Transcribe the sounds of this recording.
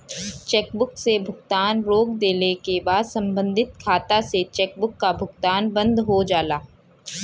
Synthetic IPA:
t͡ʃɛːkbʊksebʱʊɡt̪aːnɾoːk̚d̪eːnekebaːd̪sɐ̃mbə̃nd̪ʱɪt̪kʰaːt̪aset͡ʃɛːk̚bʊkːabʱʊɡt̪aːnbɐ̃nd̪ɦod͡ʒaːlaː

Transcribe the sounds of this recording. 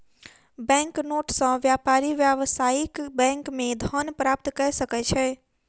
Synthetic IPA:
bɛ̃ŋknoʈsə̃ʋjapaɾiʋjaʋsaikbɛ̃ŋkmẽd̪ʱənpɾap̚t̪kɛsəkɛt͡ʃʰɛ

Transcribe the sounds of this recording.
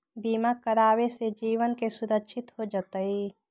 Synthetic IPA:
biːmakəɾaːwesed͡ʒiːwənkesʊɾəkʃʰɪt̪ɦod͡ʒət̪əi

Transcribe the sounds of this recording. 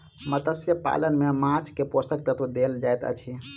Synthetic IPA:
mət̪əsjəpa̰lənmemãt͡ʃʰkeposək̚t̪ət̪ʋəd̪eld͡ʒajt̪ə̰t͡ʃʰi

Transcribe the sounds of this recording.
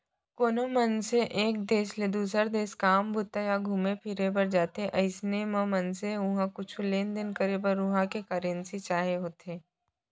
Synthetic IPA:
koːnomənseʔeːk̚d̪eːsled̪uːs̬əɾd̪eːskaːmbʊt̪ːajaɡʱuːmepʰɪɾebəɾd͡ʒaːt̪eʔɐɪsnemə̃mɐnseʊ̃ɦãkʊt͡ʃʰuleːnd̪ɪnkəɾebəɾʊɦãkekəɾẽnsit͡ʃaːɦeɦoːt̪eː

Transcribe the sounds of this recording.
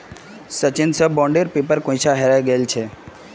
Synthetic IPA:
sət͡ʃɪnsəbɔ̃ːɳɖeɾpeːpəɾkõĩt͡ʃʰaɦeɾajɡəelt͡ʃʰe

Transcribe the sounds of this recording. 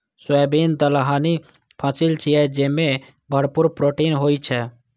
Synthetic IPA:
swɛːbiːnt̪əlɦaːni | pʰãsɪlt͡ʃʰiɛd͡ʒeːmẽ | bʱəɽpʊɾpɾoːʈiːnɦoːit͡ʃʰɛ

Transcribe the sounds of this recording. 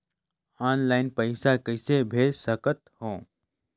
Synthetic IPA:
aːnlaːɪnpəɪsakəɪsebʱeːd͡ʒsəkət̪hõː

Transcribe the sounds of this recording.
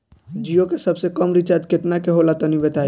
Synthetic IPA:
d͡ʒijokesəbsekəmɾit͡ʃat̪ket̪nakeɦolat̪ɔnibet̪a

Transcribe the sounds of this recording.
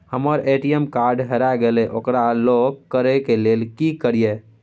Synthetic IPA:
həməɾeʈiemkaɾɖɦeɾaɡelɛʔokɾaloɡkəɾɛkelelkikəɾije

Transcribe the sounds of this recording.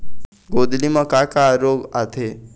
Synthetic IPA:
ɡod̪limʌkakaɾoɡat̪ʰe

